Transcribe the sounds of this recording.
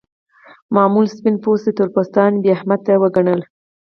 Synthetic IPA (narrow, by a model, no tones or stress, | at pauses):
mɑmulspinposd̪ət̪ʊɾpost̪ɑnbeahmad̪̚t̪awəɡaɳəl